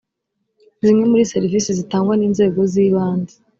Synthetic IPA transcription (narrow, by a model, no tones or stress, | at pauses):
zimŋe̞muɾise̞ɾivisizitaːŋɡwaniːnze̞ːɡo̞ziːβaːnzi